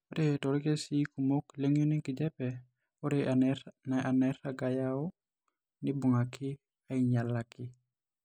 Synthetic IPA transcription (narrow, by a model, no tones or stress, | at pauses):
oɾetoɾkesikumokleŋjuniŋkid͡ʒɛpɛ | oɾeanaanɛɾaɡajao | nibuŋakːi | aiɲalːaki